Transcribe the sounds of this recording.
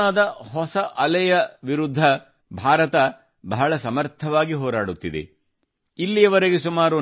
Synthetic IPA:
aːd̪ɐɦɔsɐʔɐlɛjɐʋiɾud̪ʱːɐ | bʱaːɾɐt̪ɐ | bɐɦɐɭɐsɐmɐɾt̪ʰɐʋaːɡiɦɔːɾaːɽut̪ːid̪ḛ | ilːijɐʋɐɾeɡesumaːɾu

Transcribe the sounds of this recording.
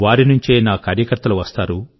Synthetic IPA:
ʋaːɾinuɲt͡ʃeːnaːkaːɾjɐkɐɾt̪ːɐluʋɐst̪aːɾu

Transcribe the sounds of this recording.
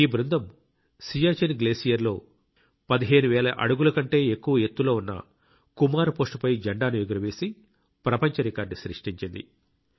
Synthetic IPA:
iːbɾund̪ɐm | sijaːt͡ʃenɡle̞ːsijɐɾlo̞ː | pɐd̪iɦe̞ːnuʋɛːlɐʔɐ̰ɽuɡulɐkɐɳʈe̞ːekːuʋɐɦet̪ːulo̞ːunːɐ̰ | kumaːɾupo̞ːsʈupɐjd͡ʒɐɳɖaːnuʋiɡuɾɐʋe̞ːsi | pɾɐpɐɲt͡ʃɐɾikaːɾɖsɾiʂʈiɲt͡ʃind̪ḭ

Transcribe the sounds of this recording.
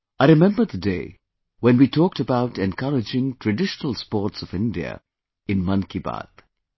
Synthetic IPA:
aɪɾɪmɛ̃mbəɾd̪ədeɪ | wɛ̃nwiːtʰɔːk̚təbaʊʈɛ̃nkʰʌɾɪd͡ʒɪ̃ŋtʰɹɨɖɪʃənəl̩ˠspɔːɾtsɔvɪ̃ndiə̰ | ɪ̃nmʌ̃nkiba̰d̪

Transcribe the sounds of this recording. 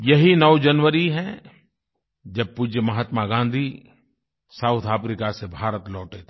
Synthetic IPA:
jɐɦinɔʊd͡ʒɐnʋəɾiɦɛ̃ | d͡ʒɐb̚pud͡ʒjəmɐɦaːt̪maɡãːnd̪ʱi | saʊt̪ʰaːpɾikasebʱaːɾət̪lɔːʈet̪ʰː

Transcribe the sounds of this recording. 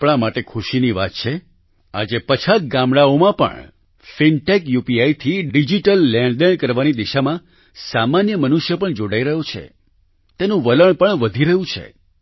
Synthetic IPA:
pɳ̃amaʈekʰuʃiniʋa̰t̪̚t͡ʃʰe | a̰d͡ʒepət͡ʃʰat̪̚ɡamɽaomãpə̰ɳ | finʈekjupiait̪ʰiɖid͡ʒiʈəlːɛ̃ɳɖd̪eɳkəɾʋanid̪iʃamã | samanjəmənuʃjəpəɳd͡ʒoɽaiɾəɦjot͡ʃʰḛ | t̪enũʋələɳpəɳʋəd̪ʱiɾəɦũt͡ʃʰḛ

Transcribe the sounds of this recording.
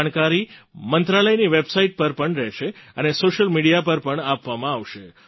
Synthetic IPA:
ɳ̃kaɾimənt̪ɾaləjniʋebsaiʈ̚pəɾpəɳɾɛʃeənesoʃəlmiɽijapəɾpəɳapʋamãaʋʃe

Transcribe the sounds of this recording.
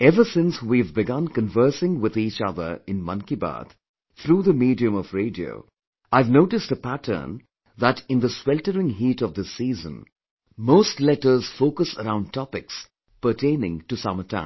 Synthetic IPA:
ɛvəsɪ̃nswivbɪɡʌ̃nkə̃nvɜ˞sɪ̃ŋwɪðiːt͡ʃʌðə̰˞ɪ̃nmʌ̰̃nkiba̰t̪ | θʰɾuːðəmiːdiɨ̃mɔvɹeɪdio̰ʊ | aɪvnoʊʈɨstəpætʰə̰˞n | ðæɾɪ̃nd̪əswɛltəɾɪ̃ŋɦiːɾʌvd̪ɪsizə̰̃n | moʊstlɛtə˞z̥foʊkəsəɾãʊ̃nd̚tʰɔpɪks | pə˞tʰẽɪ̃nɪ̃ŋtusamətʰã̰

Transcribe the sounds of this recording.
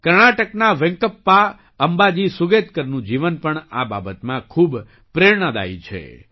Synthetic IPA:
kəɾɳaʈəknaʋɛ̃ŋkəpːa | əmbad͡ʒisʊɡet̪kəɾnũd͡ʒiʋənpəɳa̰ba̰bət̪mãkʰub | pɾeɾɳəd̪a̰it͡ʃʰḛ

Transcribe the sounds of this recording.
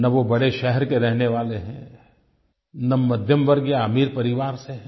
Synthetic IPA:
nɐʋobɐɽeʃɛɦɛɾkeɾɛɦneʋaːleɦɛ̃ː | nɐmːɐd̪ʱjəmʋɐɾɡjaːmiːɾpɐɾɪʋaːɾseɦ

